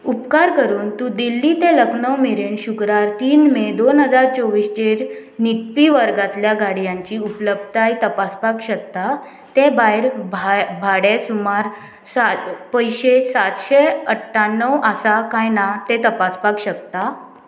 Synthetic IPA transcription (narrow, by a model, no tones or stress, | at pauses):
upkaɾkəɾuːnt̪ũd̪ilːiːt̪eləɡɳəwmeɾenɕukɾaɾt̪iːnmed̪onɦəd͡zaɾt͡ɕoʋiːst͡ɕeɾ | nit̪̚piʋəɾɡat̪ljaɡaɽijãɲt͡ɕiːupləb̪̚t̪ajt̪əpaspakɕək̚t̪a | t̪ebajɾbbʱaɽesumaɾ | sapəjɕesat̪ɕeəʈʰːanːəwasakãjnat̪et̪əpaspakɕəkt̪a